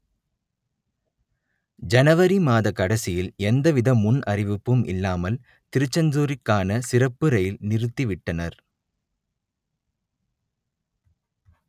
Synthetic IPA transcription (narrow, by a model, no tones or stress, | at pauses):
d͡ʒɐnɐʋɐɾimaːðɐkɐɽɐsɪjɪlɛnd̪ɐʋɪðɐmːʊnʔɐrɪʋɯpːɯmʔɪlːaːmɐl | t̪ɪɾɯt͡ʃːɐnd͡ʒuːɾɪkːaːnɐsɪrɐpːɯɾɐjɪlnɪɾɯt̪ːiʋɪʈːɐnɐɾ